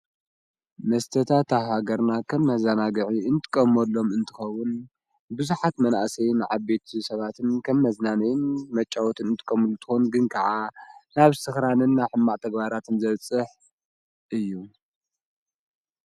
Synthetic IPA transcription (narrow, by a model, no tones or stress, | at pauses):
mɐst̪ʰɐt̪ʰat̪ʰaɦaɡɐɾnakʰɐmːɐzanaɡɨʕiɨnt̪ʰɨ̥kʼɐmɐlːo̞mɨnt̪ʰɨxɐwːʊn | bɨzuħat̪mɐnaʔsɐjnɨʕaβbe̞t̪ʰsɐβat̪ʰɨnkʰɐmːɐznanɐjɪnmɐt͡ʃʼːawɔt̪ʰɨnɨnt̪ʰɨ̥kʼɐmɨlut̪ʰɨ̥xonɡɨnkʰɐʕanaβsɨxɾanɨnːaħɨmːaʔt̪ʰɐɡbaɾat̪ʰɨnzɐβt͡sʼɨħ | ʔɨjːu